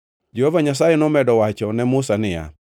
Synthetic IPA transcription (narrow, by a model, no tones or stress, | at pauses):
d͡ʒehovaɲasajɛnɔmɛdɔwat͡ʃɔnɛmʊsanɪja̰